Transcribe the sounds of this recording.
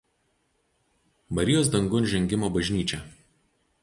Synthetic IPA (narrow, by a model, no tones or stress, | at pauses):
bɐɾʲɪjoːsd̪ɐŋɡʊnʒʲɛŋʲɡʲɪmoːbɐʒʲnʲiːt͡ʃʲɛ